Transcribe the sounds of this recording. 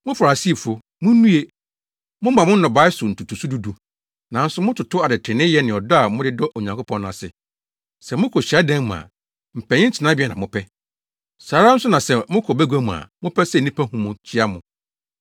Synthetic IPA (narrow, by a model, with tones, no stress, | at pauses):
mʊ̃˦fa˨ɾa˨si˦˨fʊ˨ | mʊ̃˦nũ˦e˦ | mʊ̃˦mã˨mʊ̃˦n̩˦nɔ̃˨ba˦ɪ˦sʊ˨n̩˨tʰu˨tʰu˨su˦du˦du˨ | nã˨n̩˦sʊ˦mʊ̃˦tʰʊ˨tʰʊ˦a˨dɪ˨tʰɪ˨nɪ̃˦jɛ˦nɪ̃˨ɔ˨dɔ˦a˨mʊ̃˦dɪ˦dɔ˦ʔo˨ɲã˨kʰo˦pʰɔ̃˦nʊ̃˦˨a˨sɪ̰˨ | sɛ˨mʊ̃˦kʰɔ˨ɕi˨a˦dɛ̃˦ŋm̃˨a̰˨ | m̩˨pʰɛ̃˨ɲɪ̃˦t͡ɕʰɪ˨nã˦bi˦ɛ˦˨nã̰˨mʊ̃˦pʰɛ˦ | saː˨ɾa˦n̩˦sʊ˦nã˨sɛ˦˨mʊ̃˦kʰɔ˨bæ˦ɡʷa˦mũ˨a̰˨mʊ̃˦pʰɛ˦sɛ˦˨nĩ˦pʰa˦hũ˦mʊ̃˨t͡ɕʰɪ˦a˦mʊ̃˦